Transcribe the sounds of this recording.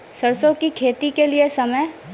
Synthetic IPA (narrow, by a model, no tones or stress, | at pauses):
sɐɾsõkikʰeːt̪ikeliesɐməj